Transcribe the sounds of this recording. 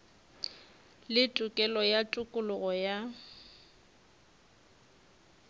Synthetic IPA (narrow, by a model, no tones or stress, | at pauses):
lɪtʼʊkʼɛlɔjatʼʊkʼʊlʊɣɔja